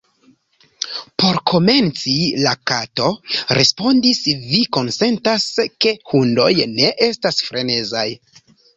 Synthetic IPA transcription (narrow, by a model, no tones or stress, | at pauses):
po̞ɾkʰo̞me̞nt͡silakato̞ɾe̞spo̞ndisviko̞nse̞ntaske̞hundo̞̰jne̞ʔe̞stasfɾʔe̞ne̞zaj